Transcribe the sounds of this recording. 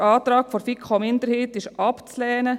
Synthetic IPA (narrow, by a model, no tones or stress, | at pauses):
ɑːt̪ɾɑːkfɔɾfikχomɪnd̪əɾheːtɪʃɑpt͡slɛːnə